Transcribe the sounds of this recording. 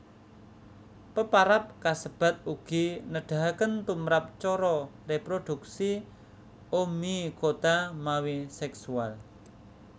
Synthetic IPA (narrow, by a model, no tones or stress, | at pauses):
pəpaɾap̚kasəb̥a̤t̪̚uɡ̥inəɖ̥a̤ɦkənt̪umɾap̚t͡ʃɔɾɔrepɾod̪̥uk̚si | omikot̪amawisɛksual